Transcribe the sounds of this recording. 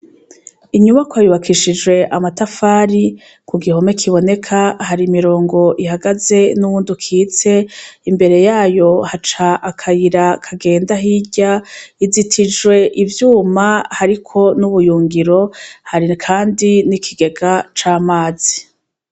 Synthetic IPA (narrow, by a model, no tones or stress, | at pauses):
iɲuβakwajuβakʰiʃid͡ʒwe̞ʔamatafaːɾi | kʰuɡiho̞me̞kʰiβo̞ne̞kʰahaɾimiɾo̞ːŋɡo̞ʔihaɡaze̞nuβuːndukʰiːt͡se̞imbe̞ɾe̞jaːjo̞hat͡ʃaʔakʰajiɾakʰaɡe̞ːndaɦiɟaizitʰid͡ʒwe̞ʔivjuːmahaɾikʰo̞nuβujuːŋɡiɾo̞haɾikʰaːndinikʰiɡe̞ɡat͡ʃaːmaːz̥i